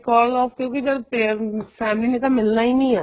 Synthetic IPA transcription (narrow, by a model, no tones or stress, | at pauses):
kɔːlɔːfkjõːkid͡ʒəɾpefʰɛːmlinet̪amɪlnainĩːɛː